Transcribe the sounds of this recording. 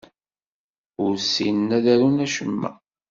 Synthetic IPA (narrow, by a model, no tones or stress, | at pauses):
ʊɾsːinnæðæɾunæʃəmːæ̰